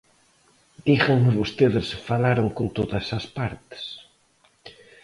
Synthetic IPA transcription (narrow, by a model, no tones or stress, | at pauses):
d̪iɣeŋmɪβost̪eðɪsfalaɾoŋkont̪oðɐsɐspaɾt̪ɪ̥s